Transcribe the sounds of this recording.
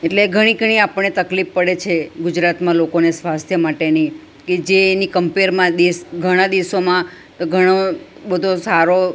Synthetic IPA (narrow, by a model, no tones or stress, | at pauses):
eʈleɡʱəɽ̃ĩɡʱəɽ̃iapəɳːet̪əklifːəɽet͡ʃʰeɡud͡ʒɾat̪mãlokonesʋast̪ʰjəmaʈeni | ked͡ʒeːnikəmpeɾmãd̪esɡʱəɽ̃ãd̪iʋsomã | t̪oɡʱəɽ̃o | bəd̪ʱosaɾo